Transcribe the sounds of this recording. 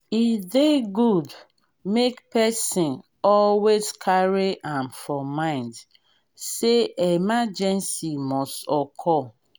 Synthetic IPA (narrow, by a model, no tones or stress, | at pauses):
ifðeɡud | mekpɛsĩn | ɔlwezkʰaɹiʔãmfɔmãɪ̃nd | seemad͡ʒɛ̃nsimɔstɔkʰɔ